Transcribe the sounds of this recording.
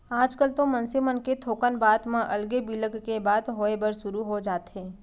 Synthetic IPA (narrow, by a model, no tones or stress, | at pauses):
aːd͡ʒkəlt̪omɐ̃nsimənket̪ʰoːkənbaːt̪mãʔɐlɡebiləɡkebaːd̪ɦoːebəɾʃʊɾuɦod͡ʒaːt̪ɦɛ̃ː